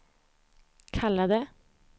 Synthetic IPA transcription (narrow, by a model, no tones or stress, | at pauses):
kʰɑləd̪eː